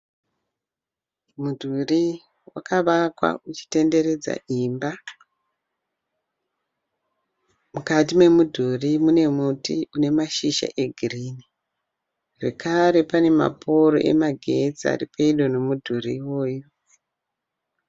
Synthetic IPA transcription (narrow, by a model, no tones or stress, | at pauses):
mudʱuri | wakaʋakwa̰ut͡ʃi̥te̞nde̞ɾe̞d͡za̰ʔimba | mukatime̞mudʱurimune̞mutiune̞maʃiʃa̰ʔe̞ɡʱiriːni | ʐe̞kaɾe̞pane̞ma̰pʰo̞ɾo̰ʔe̞̰maɡʱe̞t͡sia̰ripeiɗo̞no̞mudʱuriwo̞ːjo